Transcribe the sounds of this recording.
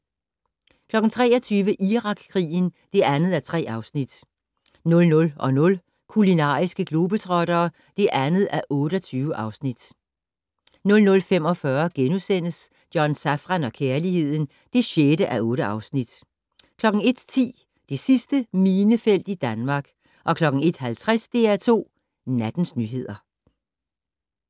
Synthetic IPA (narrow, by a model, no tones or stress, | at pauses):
kʰlɒ̽ɡ̥n̩t͡sʰʁɛ̰ːɒ̽t͡sʰyːʋəʔiʁɑ̈ɡ̥kʰːʁḭːn̩d̥e̝ænð̞̩ˠæt͡sʰʁɛ̰ːɑ̈ʊsnid̥ | nɔ̽lnɔ̽lɒ̽nɔ̽l | kʰulinɑ̰̈ːisɡ̥əɡ̥lo̝ːb̥ət͡sʰʁɒ̽ɾ̥ɐː | d̥e̝ʔænð̞̩ˠæʔɔ̽ːɾ̥əɒ̽t͡sʰyːʊəʔɑ̈ʊsnid̥ | nɔ̽lnɔ̽lfem̰ɒ̽fɶɐɡ̥enusen̰əs | d̥jɒnsæfʁɑnɒ̽kʰeːɐlihe̝ð̞̰ˠn̩ | d̥e̝ɕjeɾəʔæʔɔ̽ːɾəɑ̈ʊsnid̥ | kʰlɒ̽ɡ̥ŋ̩e̝d̥t͡sʰḭː | d̥e̝sisd̥əmiːnəfel̰d̥id̥ænmɑ̈ːɡ̥ | ʔɒ̽kʰlɒ̽ɡ̥ŋ̩e̝d̥hælt͡sʰʁasd̥e̝̰ːæt͡sʰo̝̰ː | næd̥n̩snyɦe̝ð̞̰ˠɐ